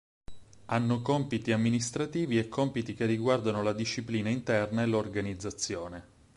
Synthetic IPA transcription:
anːokɔmpit̪iamːinist̪ɾat̪iːviɛkʰːɔmpit̪ik̟erːiɡward̪anolad̪iʃːipliːnaint̪ɛrnaelorɡanid̪zːat̪sːjoːne

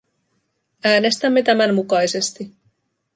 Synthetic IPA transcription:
æːne̞st̪æmːe̞t̪æmænmukɑjse̞st̪i

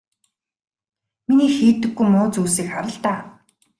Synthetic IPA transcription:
miniːxiːt̪ːɘ̆ɡːujmʊːt͡suːsiːkχaɾə̆ɬt̪aː

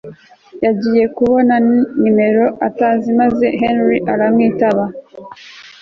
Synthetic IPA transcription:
jaɟiːje̞kuβo̞naɲime̞ɾo̞ʔataːnzimaze̞ɦenɾiʔaɾamŋiːtaβa

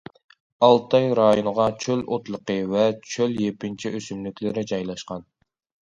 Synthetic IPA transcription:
ɑlˠt̪ʰɑjɾɑjonʁɑt͡ʃʰølot̪lˠəqəvɛt͡ʃʰøljepɪnt͡ʃʰiʔøsymlykʲlɪɾɪd͡ʒɑjlˠɑʃqɑn

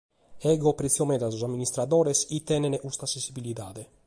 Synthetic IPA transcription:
ɛɡopɾet̪sjomɛd̪asozamːinist̪ɾad̪oːɾesit̪ːɛneneʔust̪asensibilit̪aːd̪e

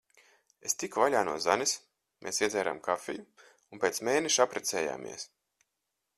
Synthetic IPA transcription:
est̪ikvalʲaːnṵɔzanis | mʔeːsiɛd̪zɛːɾa̰ːmkafʲḭju | unpeːt̪smeːnɛʃapɾɛt̪sɛːja̰ːmʔḭɛs

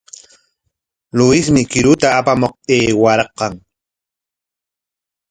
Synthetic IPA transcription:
lʊɪsmɪkɪɾʊt̪aːpamoq̚eːwaɾɑqːɑŋ

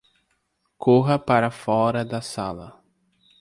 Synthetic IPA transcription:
kʰoɦɐpaɾɐfɔɾɐd̪ɐsa̰lɐ

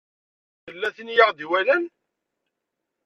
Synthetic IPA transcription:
θəlːæθinjəʁd̪iwælən

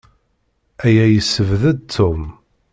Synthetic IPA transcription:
æjæjəsːəvðəd̪̚t̪ʰːum

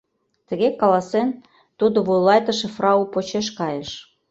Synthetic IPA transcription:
t̪ə̆ɣekɑlɑsen | t̪ud̪oβujlɑjt̪ɤ̆ʃĕfrɑupot͡ɕeʃ̬kɑjeʃ

